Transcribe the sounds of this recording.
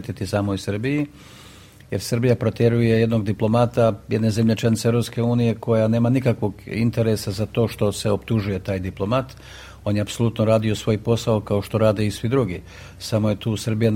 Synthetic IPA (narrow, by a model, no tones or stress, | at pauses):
t̪it̪isaːmoisr̩biji | je̞ɾsrbijapɾo̞t̪je̞ɾuje̞je̞d̪no̞ɡd̪iplˠo̞mat̪aje̞d̪ne̞zemʎet͡ʃanit̪seeɾop̪ske̞uːnije̞ko̞jane̞ːmanikakʋo̞ɡint̪e̞ɾe̞sazat̪o̞ːʃt̪o̞se̞opt̪uʒuje̞t̪aːjd̪iplˠo̞mat̪ | o̞ːnjeapso̞lˠut̪noɾaːd̪io̞sʋo̞jpo̞saokao̞ʃt̪o̞ɾaːd̪e̞isʋid̪ɾuɡi | samo̞je̞t̪uːsr̩bija